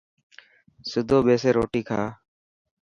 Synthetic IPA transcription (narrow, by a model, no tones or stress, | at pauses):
sɪd̪ʱoːɓeːseːɾoːʈiːkʰaː